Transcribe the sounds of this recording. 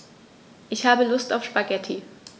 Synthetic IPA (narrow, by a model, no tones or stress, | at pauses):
ʔɪçhaːbəlʊstaʊfʃpaɡɛtʰi